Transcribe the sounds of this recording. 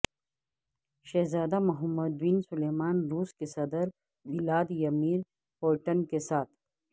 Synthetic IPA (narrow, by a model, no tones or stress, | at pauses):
ʃezaːd̪amɐɦɐmːɐd̪wiːnsuleːmaːnɾuːskesɐd̪əɾ | bilaːd̪jɐmiːɾ | hoːʈɐnkesaːt̪̚ʰ